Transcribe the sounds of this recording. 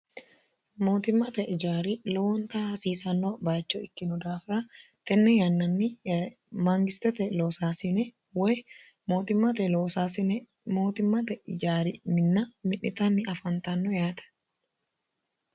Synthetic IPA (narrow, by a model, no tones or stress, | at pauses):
moːt̪ɪmːɐt̪ɛʔɪd͡ʒaːɾilɔwɔnt̪aːsiːsɐnːobaːt͡ʃːoɪkːɪnʊd̪aːfɪɾɐ | t̪ɛnːɛjɐnːɐnːɪ | maːŋɡɪst̪ɛt̪ɛloːsaːsɪnɛ | wɛj | moːt̪ɪmːɐt̪ɛloːsasɪn | moːt̪ɪmːɐt̪ɛɪd͡ʒaːɾimɪnːamɪʔɪt̪ɐnːɪɐfɐnt̪ɐnːojaːt̪ɐ̥